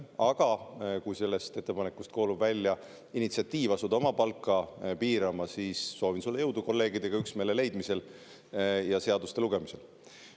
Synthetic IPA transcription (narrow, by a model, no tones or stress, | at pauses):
ɑɡ̥ɑkujse̞lːe̞st̪et̪ːe̞pɑnekːˑust̪̚ko̞ːlubvælʲːjɑ | init̪siɑt̪ːˑiːvɑsud̪o̞mɑpɑlkːˑɑpiːɾɑmɑsiːsːo̞ːvinsulːejɤwd̪̥uko̞lːe̞ːɡ̥id̪e̞ɡ̥ɑyksme̞ːle̞le̞jd̪mise̞l | jɑse̞ɑd̪ust̪e̞luɡ̥e̞mise̞l